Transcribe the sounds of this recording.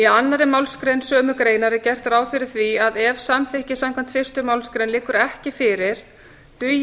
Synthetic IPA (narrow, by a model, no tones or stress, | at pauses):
ianːaɾɪmawlskɾejnsœːmʏkɾeːjnaɾɪcɛr̥t̪ɾaːwfɪɾɪɾ̥θviaðɛvsamθehcɪsamkʰan̥t̪fɪr̥st̪ʏmawlskɾejnlɪːkːʏɾɛhcɪfɪɾɪɾ̥ | t̪ʏ